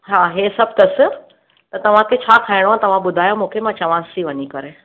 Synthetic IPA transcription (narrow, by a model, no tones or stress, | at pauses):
ɦaɦesɐb̚ʱt̪ɐsɪ̆ | t̪ɐt̪ɐʋ̤ãkʰet͡ɕʰaːkʰaːiɽ̃oãt̪ɐʋ̤ãɓʊd̪ʱaːjõmũːkʰemãt͡ɕɐʋãsiʋɐɲikɐɾe